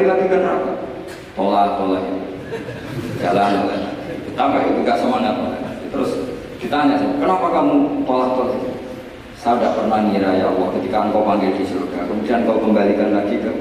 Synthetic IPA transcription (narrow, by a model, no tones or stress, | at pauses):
ilaɡikənaka | t̪olat̪olaɦi | d͡ʒalanalalaɡit̪ut̪ampaʔkət̪ikaʔsəmaŋat̪̚mala̰ad̪it̪əɾʊs | d̥it̪aɲasajakənapakamut̪olaht̪ɔkit | saadaʔpərnaŋiɾajalɔhkət̪ikaaŋkɔpaŋɡɪldisurɡakəmudiank̪aukəmbalikanlaɡikə